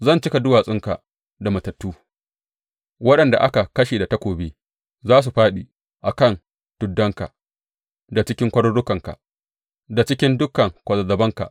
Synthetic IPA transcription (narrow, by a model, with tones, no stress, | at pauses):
zɐ˦˨nt͡ʃɪ˦ka˨dʊ˦waː˨sʼɪ˦ŋka̰˨ | da˨mɐ˨tɐ˨tːuː˦ | wɐ˦ɗɐ˨nda̰˨ʔa˦ka˨kɐ˦ʃeː˨da˨tɐ˦kʷoː˨beː˦ | zaː˦s̬u˨ɸaː˦ɗi˨ | ʔa˨kɐ˦˨n | tʊ˨dːɐ˦ŋka̰˨ʔ | da˨t͡ʃɪ˦kʲɪ˦ŋkʷɐ˦ɽɔ˦ɽːʊ˦kɐ˨ŋka̰˨ʔ | da˨t͡ʃɪ˦kʲɪ˦ndʊ˦kɐ˨ŋkʷɐ˨zɐ˨zɐ˨bɐ˦ŋka̰˨ʔ